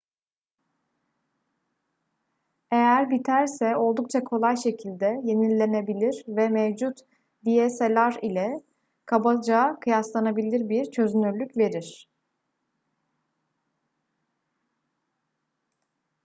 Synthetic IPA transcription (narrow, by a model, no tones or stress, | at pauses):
e̞jæɾbit̪ʰæɾsɛo̞lˠd̪uk̚t͡ʃʰakʰo̞lˠajʃe̞cʰilʲd̪ɛje̞nilʲːe̞ne̞bilʲiɾvɛmevd͡ʒut̪ | bijeselʲæɾilʲɛ | kʰabad͡ʒakʰɯjaslˠanabilʲiɾbiɾt͡ʃʰø̞zynyɾlʲycve̞ɾiɾ̥